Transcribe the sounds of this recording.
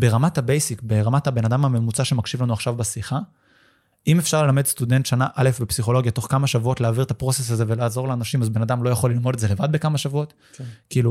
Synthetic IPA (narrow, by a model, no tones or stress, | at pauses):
be̞ʁamathabejsikbeʁamathabe̞nad̪amhame̞mut͡saʃemakʃivlanuaχʃavbasiχa | ʔimefʃaʁlelame̞dst̪ud̪e̞nt̪ʃanaʔale̞fbepsiχo̞lo̞ɡjat̪o̞χkamaʃavuo̞tleaːviʁt̪apʁo̞ses̬aze̞ve̞laːzo̞ʁleanaʃimazbe̞nad̪amlo̞jaχo̞lilmo̞detzele̞vad̪̚be̞kamaʃavuo̞t̪ | kiːlu